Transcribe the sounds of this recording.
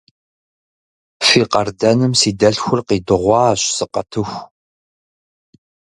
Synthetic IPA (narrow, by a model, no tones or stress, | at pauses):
fiːqɐrdɐnɨmsiːdɐɬxʷʊrqiːdɨʁʷɑːɕsɨqɐtʰɨxʷ